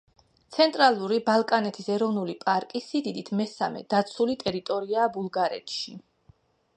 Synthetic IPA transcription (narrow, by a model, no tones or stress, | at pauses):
t̪sʰɛnt̪ʼɾalˠuɾibalˠkʼanɛt̪ʰisɛɾɔvnulipʼaɾkʼisid̪id̪it̪ʰmɛsamɛ̰d̪̥at̪sʰulit̪ʼɛɾit̪ʼɔɾiaːbulˠɡaɾɛ̰t̪ʰʃi